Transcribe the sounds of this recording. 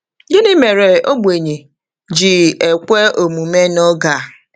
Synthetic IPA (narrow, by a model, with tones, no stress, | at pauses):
je˦ni˦me˨ɾe˨o˦ɡ͡bʷe˨ɲe˨ | d͡ʒi˨e˨kʷe˦o˨mu˨me˦nɔ˦ɡa˨